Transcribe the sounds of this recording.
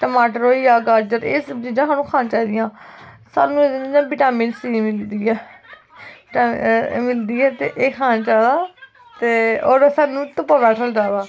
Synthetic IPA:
ʈəmaːʈəɾɦoːiːaːɡaːɾd͡ʒəɾeːsd͡ʒiːd͡ʒãːɦaːnũːkʰaːnt͡ʃaːiːd̪ɪjãː | sa̰ːnũːd̪nid͡ʒãːbɪʈaːmɪ̃ɳsiːmɪld̪iːɛː | mɪld̪iːɛːt̪ḛːʔeːkʰaːnt͡ʃaːdaː | t̪eːoːɾsaːnũːt̪əpːaʋɛːsʰəld͡ʒaːʋaː

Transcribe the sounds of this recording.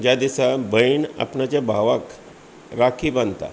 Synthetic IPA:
d͡ʑjad̪isabəina̰pɳat͡ɕabʱaʋak | ɾakʰiːbant̪a̰

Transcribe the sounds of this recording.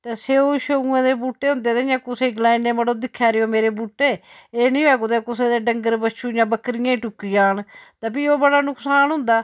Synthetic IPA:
t̪eːseːoːʃoũːẽːd̪eːbuːʈːeːɦʊ̃nd̪eːd̪eːjãːkʊseːɡlaːĩẽːməɽoːd̪ɪkʰːjaːɾeoːmeːɾeːbuːʈːeː | eːnĩːʋɛːkod̪eːkʊseːd̪eːɖəŋɡəɾbət͡ʃʰũːjãːbəkɾɪjẽːʈʊkːijaːnt̪aːbiːoːbəɽaːnʊksaːnɦʊ̃nd̪aː

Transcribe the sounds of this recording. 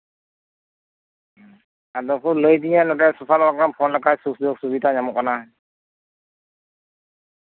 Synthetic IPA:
adɔkʰuləjdiŋanɔtɛsupʰalɔwakɾampʰɔnlakajsuk̚sujɔk̚subitaɲamɔk̚ana

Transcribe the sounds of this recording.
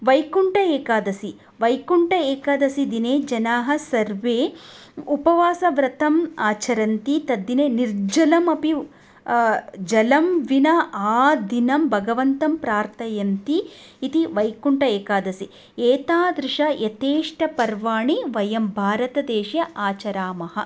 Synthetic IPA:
ʋɐjkuɳʈɐeːkaːd̪ɐsi | ʋɐjkuɳʈɐeːkaːd̪ɐsid̪ineːd͡ʒɐnaːɦɐsɐɾʋeː | upɐʋaːsɐʋɾɐt̪ɐmaːt͡ʃɐɾɐnt̪it̪ɐd̪ːineːniɾd͡ʒɐlɐmɐpi | d͡ʒɐlɐmʋinɐaːd̪ʱinɐmbʱɐɡɐʋɐnt̪ɐmpɾaːɾt̪ʰɐjɐnt̪iː | t̪iʋɐjkuɳʈɐeːkaːd̪ɐsi | eːt̪aːd̪ɾɪʂɐjɐt̪eːʂʈɐpɐɾʋaːɳiʋɐjɐmbʱaːɾɐt̪ɐd̪eːʃjɐʔaːt͡ʃɐɾaːmɐhɐ̰̆

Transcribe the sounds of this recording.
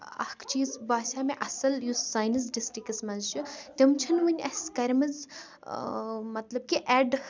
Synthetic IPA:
ɐ̰hkʰt͡ʃiːzbaːsʲaːmeʔɐsɐljusaːjnɐs̬ɖisʈikɐsmɐzt͡ʃʰut̪imt͡ʃʰɐnʋɨnʲɐ̰skɐɾmɐz | mɐt̪lɐb̚kiʔɛːɖ

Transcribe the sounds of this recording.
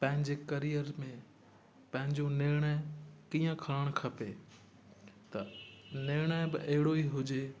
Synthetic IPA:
pɐ̃ɦɪ̃ɲd͡ʑekɐɾijəɾmẽ | pɐ̃ɦɪ̃ɲd͡ʑoneːɾɽ̃akiːə̃kʰɐləɽ̃kʰɐpe | t̪ɐneːɽ̃abɪ̰ʔɐɦɪɽoiːɦʊd͡ʑeː

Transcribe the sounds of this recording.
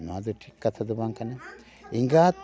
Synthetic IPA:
nad̪uʈʰikːɐt̪ʰɐd̪ubaŋkɐne | iŋɡaːt̪

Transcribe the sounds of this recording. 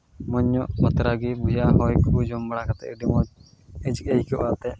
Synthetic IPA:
mɔɲːɔʔbɔt̪ɾaɡibud͡ʒaʔɦɔjkʰud͡ʒɔmbaɽakat̪ɛ̰ʔiɖimɔ | ɛd͡ʒkejkɔʔat̪ɛ

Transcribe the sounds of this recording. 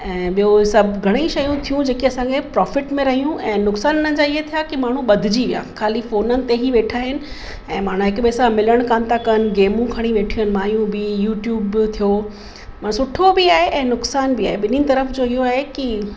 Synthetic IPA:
ɛ̃ːɓijosɐbʱɡʱɐɽ̃eiʃɐjũt̪ʰijũd͡ʑeːkiɐsãkʰepɾɔːfɪʈmẽɾɐɦijũʔɛ̃ːnʊksaːnʊnə̃̆d͡ʑaːɪɦet̪ʰijakimaːɳ̤ũɓɐd̪ʱɪd͡ʑiʋija̰kʰaːlifoːnənɪ̆t̪eɦiʋeːʈʰaːɦɪnɪ̆ | ɛ̃ːmaːɽ̤ũɦɪkʊɓesãmɪləɽ̃kaːnt̪ʰakɐn̆ɡeːmũkʰɐɽ̃ĩʋeːʈʰiənɪ̆mãːjũbɪjuːʈjuːbt̪ʰijo | mãːsʊʈʰobɪaːɦeʔɛ̃ːnʊksaːnbiaːɦeɓɪninɪ̆t̪ɐɾəfd͡ʑoːɪɦoaːɦeki

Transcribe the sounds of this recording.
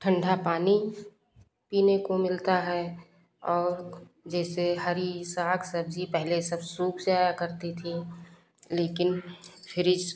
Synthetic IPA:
ʈʰə̃ɳɖʱapaːni | piːnekomɪlt̪aɦɛ | ɔːɾ | d͡ʒɛːseɦəɾisaːksəbd͡ʒipɛɦlesəbsuːkseaːjakəɾt̪it̪ʰĩ | leːkɪnpʰɪɾɪd͡ʒ

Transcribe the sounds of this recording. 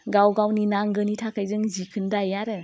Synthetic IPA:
ɡawɡawninaŋɡɯnitʰakʰajzɯŋzikʰɯndajaɾɯ

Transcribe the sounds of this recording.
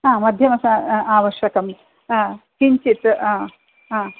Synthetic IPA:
ɦãːmɐd̪ʱjɐmɐsaaːʋɐʃjɐkɐm | kiɲt͡ʃit̪ː | ã

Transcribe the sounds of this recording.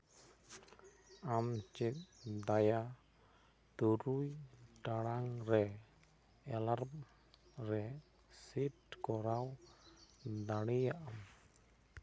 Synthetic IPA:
amt͡ʃit̪̚d̪aja | t̪uɾujɖaɽaŋɾɛ | ɛlarm | rɛ | sit̪kɔɾaw | d̪aɽijaʔam

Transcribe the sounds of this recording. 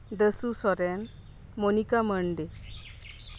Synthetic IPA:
d̪əsusɔɾɛn | monikaməɳɖe

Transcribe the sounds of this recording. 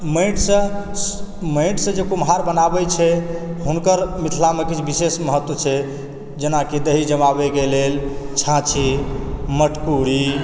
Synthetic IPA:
məɪʈsə̃ | məʈsə̃d͡ʒekumɦaɾbənabɛt͡ʃʰɛɦunkəɾmit̪ʰilamekit͡ʃʰbisesməɦət̪wət͡ʃʰɛ | d͡ʒenakid̪əɦid͡ʒəmabeɡelelt͡ʃʰãt͡ʃʰiməʈʰkuɾi

